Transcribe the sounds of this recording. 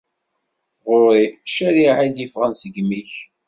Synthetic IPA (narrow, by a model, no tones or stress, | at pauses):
ʁʊɾˤiʃæɾiʕajd̪jifʁənsəɡmiç